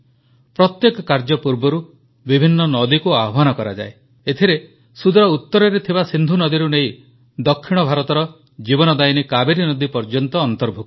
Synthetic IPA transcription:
pɾɔt̪jekɔkaɾd͡ʒɔpuɾbɔɾu | bibʱinːɔnɔd̪ikuaɦɔbanɔkɔɾa̰d͡ʒa̰e | et̪ʰiɾe | sud̪ɾɔut̪ːɔɾɔɾet̪ʰibasind̪ʱunɔd̪iɾunej | d̪ɔkʰːiɽ̃ɔbʱaɾɔt̪ɔɾɔ | d͡ʒibɔnɔd̪ajnikabeɾinɔd̪ipɔɾd͡ʒɔnt̪ɔːnt̪ɔɾbʱuk

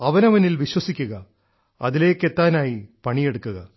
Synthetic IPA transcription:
ɐʋɐnɐʋɐnilʋiɕwɐsikʲːuɣɐ | ɐ̰ðile̞ːkːe̞t̪ːaːnaːjipɐɳije̞ɽukːuɣɐ

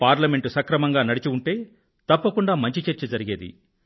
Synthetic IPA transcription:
paːɾlɐme̞ɳʈusɐkɾɐmɐŋɡaːnɐɽit͡ʃiuɳʈe̞ː | t̪ɐpːɐkuɳɖaːmɐɲt͡ʃit͡ʃɐɾt͡ʃid͡ʒɐɾiɡeːd̪ḭ

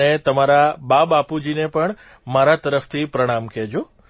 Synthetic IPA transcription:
et̪əmaɾababapud͡ʒinepəɳ | maɾat̪əɾəft̪ʰipɾəɽ̃amkʰɛd͡ʒũ

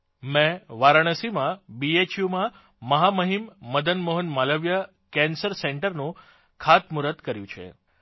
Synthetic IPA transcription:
mẽʋaɾəɽ̃əsimãbiet͡ʃjumã | məɦaməɦimːəd̪ʱənmoɦənmaləʋjə | kɛnsəɾseɳʈəɾnũ | kʰat̪muɾət̪kəɾjṵ̃t͡ʃʰḛ

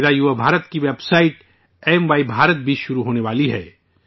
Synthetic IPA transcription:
d̪ajuʋabʱaːɾət̪kiʋeːbsaːɪʈ | ɛːmʋaːibʱaːɾət̪̚bʱiʃʊɾuɦoːneʋaːliɦɛ̰ː

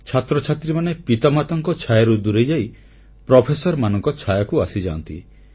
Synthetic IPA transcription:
t͡ʃʰat̪ɾɔt͡ʃʰat̪ɾimanepit̪ɔmat̪ɔŋkɔt͡ʃʰajaɾud̪uɾed͡ʒaj | pɾɔpʰesɔɾmanɔŋkɔt͡ʃʰajɔkuasid͡ʒa̰nt̪ḭ

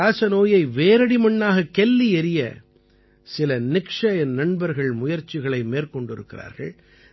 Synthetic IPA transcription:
aːsɐnoːjɐɪʋeːɾɐɽimɐɳːaːɣɐkɛlːiɛɾɪjɐ̰ | sɪlɐnɪkʂɐɛnnɐɳbɐɾɣɐɭmʊjɐɾt͡ʃːɪɣɐɭɐɪmeːɾkɔɳɖɪɾɯkːɪra̰ːɾɣɐ̰ɭ

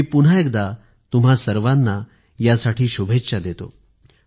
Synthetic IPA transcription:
ipun̤aek̚d̪a | t̪um̤asəɾʋanːa | jasaʈiːɕubʱetːɕad̪et̪o̰

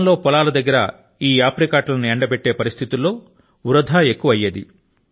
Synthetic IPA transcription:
nlo̞ːpɔlaːlɐd̪ɐɡːɐɾɐ | iːaːpɾikaːʈlɐnieɳɖɐbeʈːe̞ːpɐɾist̪ʰit̪ulːo̞ː | uɾɐd̪ʱaːekːuʋɐjːed̪i

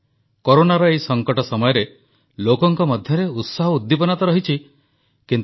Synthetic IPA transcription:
koɾonaɾɔeisɔŋkɔʈɔsɔmɔjɔɾe | lokɔŋkɔmɔd̪ʱjɔɾeut̪saɦɔud̪ːipɔnat̪ɔɾɔɦit͡ʃʰi | kint̪

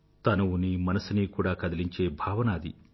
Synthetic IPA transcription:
t̪ɐnɐunimɐnɐsiniːkuːɽaːkɐd̪ɐliɲt͡ʃe̞ːbʱaːʋɐnaːd̪ḭ

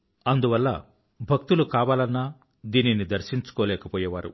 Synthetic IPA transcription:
ɐnd̪uʋɐlːɐ̰ | bʱɐk̚t̪ulukaːʋaːlɐnːaː | d̪iːninid̪ɐɾʂiɲt͡ʃu̥kɔːlɛːkɐpɔːjɐʋaːɾṵ

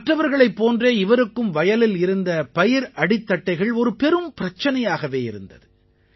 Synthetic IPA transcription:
mɐʈːrɐʋɐɾɣɐɭɐɪpːoːndreːɪʋɐɾɯkːɯmʋɐjɐlɪlɪɾɯnd̪ɐpɐjɪɾɐɽɪt̪ːɐʈːɐɪɣɐɭɔɾɯpɛɾɯmpɪɾɐt͡ʃːɐnɐjaːɣɐʋeːɪɾɯnd̪ɐ̰ðɯ

